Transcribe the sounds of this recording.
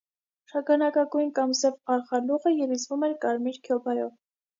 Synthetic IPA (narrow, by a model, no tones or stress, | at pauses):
ʃɑɡɑnɑkɑɡujnkɑmzɛvɑɾχɑluʁəjɛlizvumɛɾkɑɾmiɾkʰjɔbɑjɔv